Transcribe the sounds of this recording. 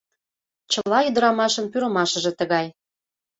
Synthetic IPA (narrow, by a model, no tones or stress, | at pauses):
t͡ɕəlɑyd̪əɾɑmɑʃə̆npyɾə̆mɑʃə̆ʒĕt̪əɣɑj